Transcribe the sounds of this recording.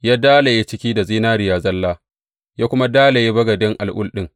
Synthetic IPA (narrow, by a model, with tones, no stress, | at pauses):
jaː˦daː˦la˨je˦t͡ʃɪ˦kʲiː˦da˨ziː˦naː˦ɾɪ˨jaː˨zɐ˦lːaː˦ | jaː˦kʷʊ˦ma˦daː˦la˨je˦bɐ˦ɡɐ˨dɪ˦ŋʔa̰˨lʔʊ̰˦lɗɪ˦ŋ